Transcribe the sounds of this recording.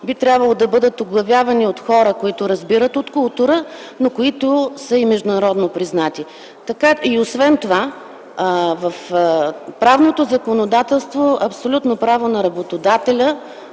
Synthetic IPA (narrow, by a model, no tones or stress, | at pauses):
bit̪ɾʲabvɐlˠod̪ɐbɤd̪ət̪oɡlˠɐvjavɐniot̪xɔɾəkoit̪ʊɾɐzbiɾət̪ot̪kʊlˠt̪uɾə | nokoit̪ʊsəimɛʒd̪ʊnɐɾɔd̪nopɾiznat̪i | t̪ɐkaiosvɛnt̪ova | vɐf | pɾavnot̪ozɐkonod̪at̪ɛlˠst̪voʔɐpsolʲut̪nopɾavonɐɾɐbot̪od̪at̪ɛlʲə